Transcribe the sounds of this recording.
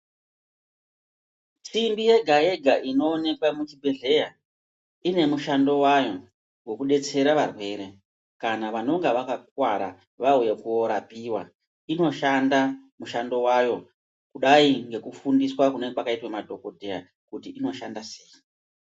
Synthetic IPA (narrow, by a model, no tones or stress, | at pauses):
t͡simbije̞ɡʱae̞ɡʱaʔino̞ːne̞kwamut͡ʃibʱe̞ɮe̞ja | ine̞muʃando̞wajo̞ | ɡwo̞kuɗe̞t͡se̞ɾaʋarwe̞ɾe̞ | kanaʋano̞ŋɡeʋakakwaɾa̰ | ʋaujekuoɾapiwa̰ | ino̞ʃandamuʃando̞wajo̞ | kuɗaiŋɡe̞kufundiswakune̞pakaitwamadʱo̞ko̞dʱe̞ja̰ | kutiʔino̞ʃandase̞ːji